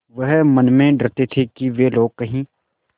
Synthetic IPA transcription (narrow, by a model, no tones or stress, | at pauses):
ʋɐɦmɐnmẽɖɐɾt̪et̪ʰekiʋeloːɡ̚kɐɦĩː